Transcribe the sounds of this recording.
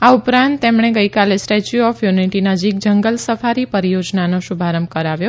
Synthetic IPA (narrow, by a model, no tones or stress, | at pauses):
aupɾãnt̪ːemɳ̃eɡəjkalesʈet͡ʃuɔfjuniʈinəd͡ʒik̚d͡ʒəŋɡəlsəfaɾipəɾijod͡ʒnanoʃubʱaɾəmkəɾaʋjo